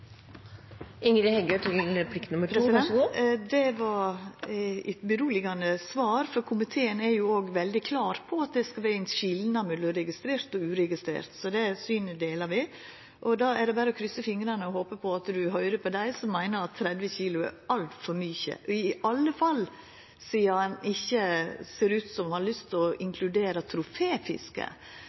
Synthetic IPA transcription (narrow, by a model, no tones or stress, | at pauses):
ɪŋɾɪhɛɡəʈʰɪlpʰlɪkt̪nʊməɾɾɛsd̪ɛnd̪ɛʋɑɾ | æ̰t̪bəɾuːlɪɡɑnəsʋɑːɾfɔɾkʰʊmɪt̪ʰeːənæɾjʊoːɡʋɛld̪ɪkʰlɑːɾpʰɔɑt̪̚d̪ɛskɑʋæɪɛnʃɪlnɑmʉd̪əɾɛɡɪst̪ɾeːɾt̪ɔʉːɾɛɡɪst̪ɾḛːɾt̪sɔd̪ɛsyːnəd̪eːlɑɾʋɪ | ʔɔd̪ɑːæɖɛbæːɾəɔkʰɾʏsːəfɪŋɾɑnəɔɦoːpəpʰɔɑt̪d̪ʉɦœʏɾəpʰɔd̪æɪsɔmːæɪnəɾɑt̪ʰːɾɛd̪ʋəçiːlʊɛ̰ɾɑlt̪fɔɾmyːçə̰ʔɔɪɑlːəfɑlː | siːəɑnɪçːəseːɾʉːt̪sɔmhɑɭʏst̪ʰɔɪŋkʰlʉd̪eːɾɑt̪ʰɾʊfeːfɪ̰skə̰